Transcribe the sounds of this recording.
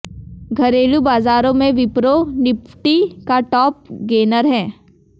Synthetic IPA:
ɡʱɐɾeːlubaːzaːɾõmẽʋɪpɾonɪpʰʈikaʈɔːp̚ɡeːnəɾɦɛ̃ː

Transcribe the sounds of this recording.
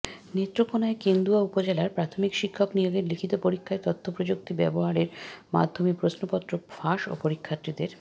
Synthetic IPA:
net̪ːɾokonaekend̪uaupod͡ʑelaɾpɾat̪ʰomikʃikʰːoknijoɡeɾlikʰit̪opoɾikʰːaeɾt̪ɔt̪ʰːopɾod͡ʑok̚t̪ibɛ̰boɦaɾeɾma̰d̪ʱomepɾosnopɔt̪ːɾofaʃo̰poɾikʰːat̪ɾid̪eɾ

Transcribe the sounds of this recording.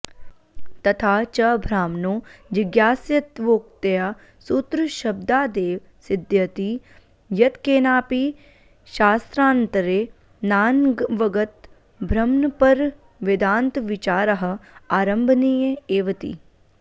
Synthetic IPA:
t̪ɐt̪ʰaːt͡ʃɐbʱɾaːmnoːʋɪɡjaːsjɐt̪ʋoːk̚t̪ɐjaː | sut̪ɾuʃɐb̚d̪aːd̪eːʋ | sɪd̪jɐt̪iː | jɐt̪keːnaːpi | ʃaːst̪ɾaːnt̪ɾeː | naːnʋɐɡɐt̪ | bʱɾɐmnpɐɾ | ʋɪd̪ãːnt̪ʋɪt͡ʃaːɾɐɦɐ̆aːɾɐ̃mbʱnijɐeːʋɐt̪ḭː

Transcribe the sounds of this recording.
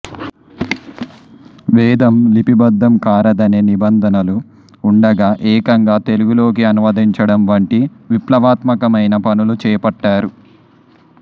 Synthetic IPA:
ʋɛːd̪ɐmlipibɐd̪ːɐmkaːɾɐd̪ɐneːnibɐnd̪ʱɐnɐluː | ɳɖɐɡaːʔɛːkɐŋɡaːt̪e̞luɡulo̞ːkiɐnumɐd̪iɲt͡ʃɐɽɐmʋɐɳʈiʋiplɐʋaːt̪mɐkɐmɐjnɐpɐnulut͡ʃɛːpɐʈːaːɾu

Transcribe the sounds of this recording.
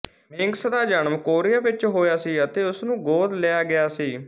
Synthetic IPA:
mɪŋɡsd̪aːd͡ʒəɳmkoːɾɪjaːʋɪt͡ʃɦoːjaːsiːət̪eːʊsnũːɡoːd̪leːaːɡɪjaːsiː

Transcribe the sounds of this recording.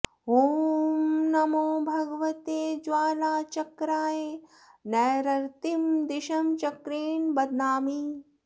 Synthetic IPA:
ɦoːmnɐmoːbʱɐɡɐʋɐt̪eːd͡ʒʋaːlaːt͡ʃɐkɾaːje | nɛːɾɐɾt̪imd̪iʃɐmt͡ʃɐkɾeːnbɐd̪naːmi

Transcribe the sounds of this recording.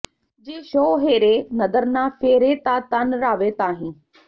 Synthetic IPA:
d͡ʑeːʃoːɦeːɾenɐd̪əɾnãːfeːɾet̪aːt̪anɾaːʋet̪aːɦĩː

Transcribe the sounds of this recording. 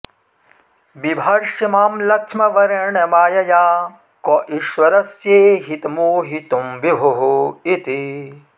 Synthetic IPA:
bibʱɐɾʃimaːmlɐkʂmɐʋɐɾɐɳɐmaːjɐjaː | kɔʔiʃʋɐɾɐsjeːɦit̪muːɦit̪umbibʱoɦuit̪i

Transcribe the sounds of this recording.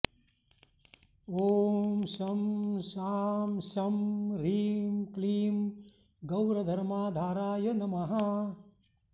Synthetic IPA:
oːmsɐmsaːmsɐmɾiːmkliːm | ɡɐwɾɐd̪ʱɐɾmaːd̪ʱaːɾaːjɐnɐmɐɦa

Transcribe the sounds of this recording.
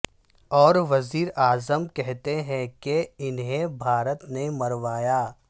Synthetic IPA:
ɔːɾʋɐziːɾaːzəmkɛɦt̪eɦɛ̃keɪnɦẽbʱaːɾət̪nemɐɾʋaːjaː

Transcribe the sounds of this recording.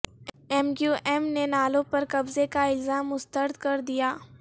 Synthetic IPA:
ɛmɡjuːʔɛmnenaːlõpɐɾkɐbzekaɪlzaːmːʊst̪əɾd̪kɐɾd̪ijaː

